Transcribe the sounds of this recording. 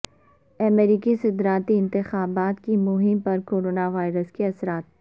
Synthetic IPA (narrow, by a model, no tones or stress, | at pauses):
ɐmeɾiːkisɐd̪ɾaːt̪iɪ̃nt̪ɪxaːbaːt̪kimʊɦɪmpɐɾkoːɾoːnaʋaːɪɾəskiɐsɾaːt̪̚